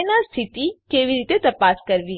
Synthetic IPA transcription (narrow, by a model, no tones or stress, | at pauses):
nast̪ʰit̪ikeʋiɾit̪et̪əpaskəɾʋi